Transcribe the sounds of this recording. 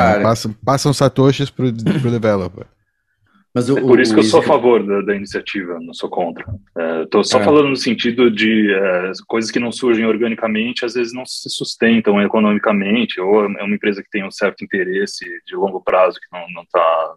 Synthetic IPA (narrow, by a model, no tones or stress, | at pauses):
kapasɐ̃pasɐ̃w̃sat̪oʃɪspɾʊpɾʊd̪evɛlopḛɾ | mɐzɛpoɾisʊʊkewsoafavoɾd̪ɐd̪ɐinisiat͡ʃivɐnɐ̃w̃sokõnt̪ɾɐɛewt̪osɔfalɐ̃nd̪ʊnʊsẽnt͡ʃid̪ʊd͡ʒɪɛkojzɐskɪnɐ̃w̃suɾʒẽj̃oɾɡɐ̃nikɐmẽnt͡ʃɪazvezɪznɐ̃w̃ssɪsust̪ẽnt̪ɐ̃w̃ekonõmikɐmẽnt͡ʃɪowɛɛ̰ũmɐẽpɾezɐkɪ̥t̪ẽj̃ũsɛɾt̪ʊĩnt̪eɾesɪd͡ʒɪlõŋɡʊpɾʔazʊkɪnɐ̃w̃nɐ̃w̃t̪a